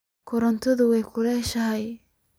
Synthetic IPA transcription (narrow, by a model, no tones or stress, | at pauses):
kʰʊɾɐnt̪ʰɔðʊwɛjkʰʊlɛːʃɐɦɛj